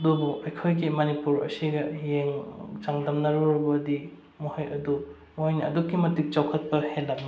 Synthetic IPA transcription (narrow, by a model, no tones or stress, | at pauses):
dubuʔɐjkʰojɡimɐnipuɾɐ̰siɡɐjeŋt͡ʃaŋdɐmnɐɾuɾbɐdi | muhɐjɐdu | mojniɐ̰dukːimɐtik̚t͡ʃawkʰɐt̚pɐhelːɐmɐ